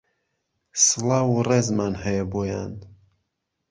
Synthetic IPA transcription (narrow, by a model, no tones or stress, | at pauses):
sɨlawurezmanhəjəboja̰nd̪